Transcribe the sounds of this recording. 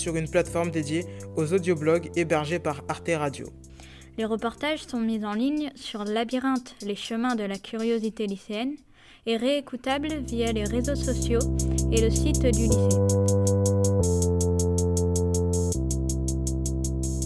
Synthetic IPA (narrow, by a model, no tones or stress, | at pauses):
syʁynplat̪fɔʁmd̪ed̪jeozod̪joblɔɡebɛʁʒepaʁaʁt̪eʁad̪jo̰ | leʁəpɔʁt̪aʒsɔ̃mizɑ̃liɲsyʁlabiʁɑ̃t̪leʃəmɛ̃d̪əlakʲʰyʁjozit̪eliseɛn | eʁeːkut̪ablvijaleʁezosɔsjoeləsit̪d̪ylise